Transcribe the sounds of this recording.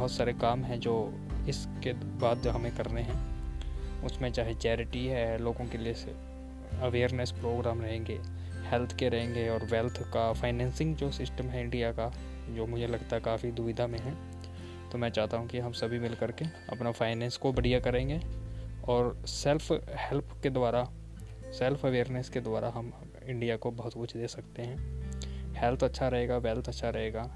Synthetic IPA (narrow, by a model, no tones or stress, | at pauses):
bɐɦʊt̪saːɾekaːmɦɛ̃d͡ʒoː | ɪskebaːd̪̚d͡ʒoːɦɐmẽkɐɾneɦɛ̃ː | ʊsmẽt͡ʃaːɦet͡ʃɛːɾɪʈiɦɛloːɡõkelie | ɐʋeːɾnəspɾoːɡɾaːmɾɐɦẽːŋɡeː | hɛlt̪ʰkeɾɐɦẽːŋɡeɔːɾʋɛːlt̪ʰkafaːɪnɛ̃ːnsɪ̃ŋɡd͡ʒoːsɪsʈəmɦɛɪ̃ɳɖijaka | d͡ʒoːmʊd͡ʒʱelɐɡt̪aɦɛkaːfid̪ʊʋɪd̪ʱamẽɦɛ̃ː | t̪omɛ̃ːt͡ʃaːɦt̪aɦũkiɦɐmsɐbʱimɪlkɐɾkeɐ̰pnafʰaːɪnɛ̃ːnskobɐɽijakɐɾẽːŋɡeɔːɾsɛlfhɛlpʰked̪waːɾa | sɛlfʰɐʋeːɾnesked̪ʊwaːɾʔaɦɐm | ɪ̃ɳɖijakobɐɦʊt̪kʊt͡ʃʰd̪eːsɐkt̪eɦɛ̃ː | hɛːlt̪ʰɐtːʃʰaɾɐɦeːɡaʋɛːlt̪ʰɐtːʃʰaɾɐɦeːɡaː